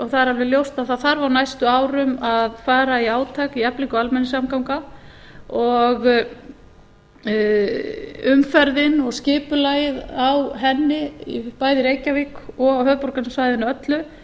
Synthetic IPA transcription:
ɔɣθaðɛɾalvɪljowst̪aðθaðθaɾvaɾwnajst̪ʏaːwɾʏmaðfaːɾaiaːwt̪ʰaːkiɛpliŋkɔalmɛnːɪs̬amkawŋka | ɔɣ | ʏmfaɾðɪnɔɣscɪːpʏlajɪðawɦɛnːɪipaːjðɪɾejcːavikɔɣawɦœːðpɔɾkanʏmsvajðɪnaœt̪lʏ

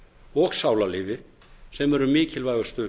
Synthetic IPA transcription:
ɔɣsawlalɪːvɪ | sɛmɛɾʏmiːcɪlvaːjɣʏst̪ʏ

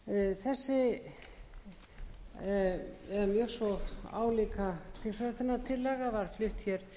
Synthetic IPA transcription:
θɛsːɪ | ɛɾmjœsɔa̰ːwlikat̪ʰɪsaɾat̪ʰɛnːat̪ʰɪlːɛɣavaɾ̥flʏht̪çɛɾ̥

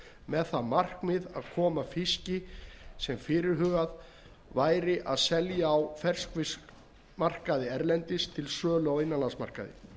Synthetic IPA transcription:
mɛðθamar̥kmɪðaðkʰɔːmafɪscɪsɛmfɪːɾɪɾɦʏːɣað | vaːjɾɪʔaðsɛljaːwfɛr̥skvɪs | mar̥kaðɪɛɾlɛnt̪ɪst̪ʰɪlsœːlawɪjnːalansma̰r̥ka̰ðɪ̰

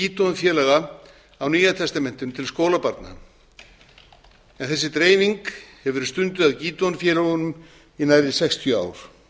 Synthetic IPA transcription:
iːt̪ɔnfjɛːlɛɣa | awniːjat̪ʰɛst̪amɛn̥t̪ʏmt̪ʰɪlskoːwlapaɾt̪na̰ | ɛnθɛsːɪt̪ɾeːjviŋkhɛvʏɾst̪ʏnt̪ʏðaðciːt̪ɔnfjɛːlɛɣʏnʏm | inajðɪsɛkst̪ʰjœa̰ːwɾ̥

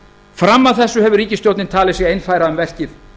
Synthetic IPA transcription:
fɾamːaðθɛsːʏhɛvʏɾiːcɪst̪jowt̪nɪnt̪ʰaːlɪsjɛejnfajɾaʏmvɛr̥cɪθ

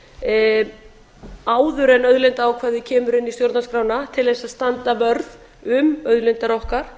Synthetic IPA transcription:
aːwðʏɾɛnœðlɪnt̪aːawkʰvɛːðɪcʰɛːmʏɾɪnːist̪jowɾt̪naskɾaːwnat̪ʰɪlðɛsaðst̪ant̪avœɾð | ʏmœðlɪnt̪aɾɔhkaɾ̥

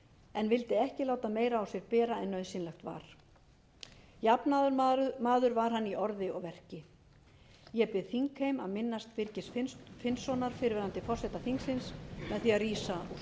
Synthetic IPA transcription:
ɛnvɪlt̪ɪɛhcɪlaːwt̪ameːjɾaːwsjɛɾpɛːɾaɛnːœɥsɪnlɛxt̪va̰ɾ̥ | japnaɾmaːðʏɾvaɾ̥ɦanːiʔɔɾðɪɔɣvɛr̥cɪ | jɛpɪðθiŋkhejma̰ðmɪnːast̪vɪɾcɪsffɪnsːɔnaɾ̥fɪɾvɛːɾant̪ɪfɔr̥sɛt̪aθiŋksɪnsmɛðθiariːsau̥

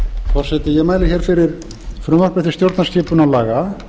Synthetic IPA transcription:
fɔr̥sɛt̪ɪjɛɣmaːjlɪçɛːɾ̥fɪɾɪɾ | fɾʏmar̥pɛt̪ɪ̥st̪jowɾt̪nascɪːpʏnalaːɣa

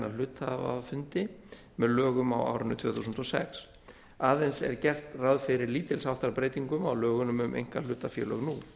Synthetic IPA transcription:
nal̥ʏːt̪ha̰va̰fʏnt̪ɪ | mɛðlœːɣʏmawa̰ːwɾɪnːʏt̪v̥œːθusʏnt̪ɔsɛ̰ks | aːðejnsɛ̰ɾcɛr̥t̪raðfɪɾɪɾliːt̪ɪlsawht̪aɾpɾeːjt̪iŋkʏma̰wlœːɣʏnʏmʏmʔḛjŋ̥kal̥ʏːt̪afjɛ̰ːlœ̰ɣnu

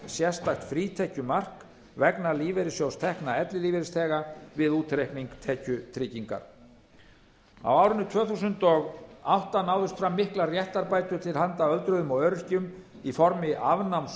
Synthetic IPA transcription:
sjɛst̪ajht̪fɾiːt̪ʰɛhcʏmar̥k | vɛknaliːvɛɾɪsjowst̪ʰɛhknaɛt̪lɪliːvɛɾɪst̪ʰɛːɣavɪðuːt̪ɾehkniŋkt̪ʰɛːcʏt̪ʰɾɪciŋka̰ɾ̥ | a̰waːwɾʏnʏt̪ʰvœːθusʏnt̪ɔɣawht̪anaːwðʏst̪fɾamːɪhklarjɛht̪aɾpaːjt̪ʏ̥t̪ʰɪlhant̪aœlt̪ɾʏðʏmɔɣœɾʏ̥cʏm | ifɔɾmɪʔavnawms

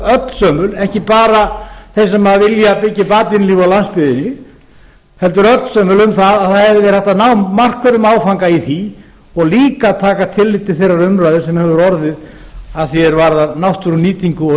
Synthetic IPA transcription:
œt̪n̥sœːmʏlɛhcɪpaːɾaθejsɛmhaðavɪljapɪcːɪpaːt̪ɪnɪliːvawlanspɪðɪnɪ | hɛlt̪̬ʏɾœt̪n̥sœːmʏlʏmθaðaðθaɛðvðɪɛɾ̥hɛht̪anawmːar̥kœɾʏmaːwfaŋkaiθi | ɔɣliːkat̪ʰaːkat̪ʰɪlːɪt̪ːɪ̥θejrːaɾʏmɾaɥðɪsɛmhɛvʏɾɔɾðɪð | aðθjɛɾvaɾðanawht̪ʏɾʏniːt̪iŋkʏɔ

